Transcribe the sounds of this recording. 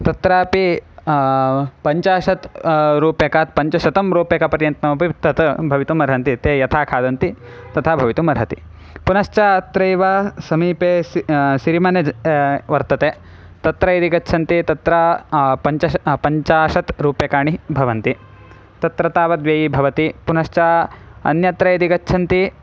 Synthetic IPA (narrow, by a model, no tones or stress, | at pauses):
t̪ɐt̪ɾaːpi | pɐɲt͡ʃaːʃɐt̪ɾuːpjekaːt̪̚pɐɲt͡ʃɐʃɐt̪ɐmɾuːpeːkɐpɐɾjɐnt̪nɐmɐpit̪ɐt̪ɐbʱɐʋit̪umɐɾɦɐnt̪it̪eːjɐt̪ʰaːkʰaːd̪ɐnt̪i | t̪ɐt̪ʰabʱɐʋit̪umɐɾɦɐt̪i | punɐʃt͡ʃaːt̪ɾɐjʋaːsɐmiːpeːʃiɾimɐneʋɐɾt̪ɐt̪eː | t̪ɐt̪ɾɐid̪iɡɐːʃʰɐnt̪it̪ɐt̪ɾɐpɐɲt͡ʃɐpɐɲt͡ʃaːʃɐt̪ɾuːpjeːkaːɳibʱɐʋɐnt̪i | t̪ɐt̪ɾɐt̪aːʋɐd̪ʋjɐːjibʱɐʋɐt̪ipunɐʃt͡ʃaɐ̰njɐt̪ɾɐjd̪iɡɐtːʃʰɐnt̪i